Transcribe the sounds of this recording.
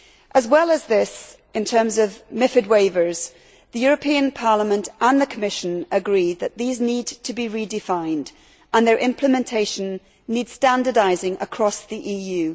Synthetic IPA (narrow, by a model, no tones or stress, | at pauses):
ʔəzwɛlˠəzðɪs | ʔɨ̃ntʰɜ̃˞mzəvmɪfɨd̚weɪvə˞z̥ | ðɨjʊɹəpʰĩə̃npʰɑɹləmə̃ntʔə̃nðəkʰəmɪʃə̃nəɡɹiðɨʔ̪̚ðiznidtʰəbiɹidɪfãɪ̃nd | ʔə̃nðə˞ʔɪ̃mpʰləmɛ̃ntʰeɪʃə̃nː | id̥stãndə˞daɪzɪ̃ŋə̰kʰɹ̥ɔsðiʔijʉ